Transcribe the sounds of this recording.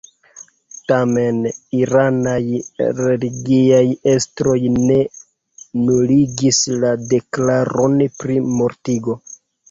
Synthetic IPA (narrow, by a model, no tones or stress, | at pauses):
tame̞niɾanajɾe̞liɡiaje̞stɾo̞jne̞ | nuliɡislade̞klaɾo̞npɾimo̞ɾtiɡo̞